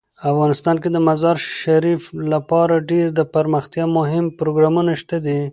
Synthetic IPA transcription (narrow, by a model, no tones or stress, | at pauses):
afɣɑnɪst̪ɑnked̪əmazɑɾʃaɾiflapɑɾaɖeɾd̪əpaɾməxt̪jɑmʊɦɪmpɾoɡɾɑmunaʃt̪ad̪i